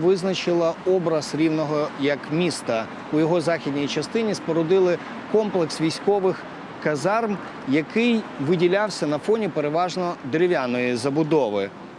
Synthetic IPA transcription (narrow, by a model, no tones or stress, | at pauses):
ʋɪznɐt͡ʃɪlˠɐɔbɾɐz̥ɾʲiwnɔɦɔjɐkmʲist̪ɐ | ujɔɦɔzɑxʲid̪ʲnʲijit͡ʃɐst̪ɪnʲispɔɾɔd̪ɪlˠɪ | kɔmplˠeksʋʲijsʲkɔʋɪx | kɐzɑrm | jɐkɪjʋɪdʲilʲawsʲɐnɐfɔnʲipeɾeʋɑʒnɔd̪ɾʲɪʋʲjanɔjizɐbʊd̪ɔʋɪ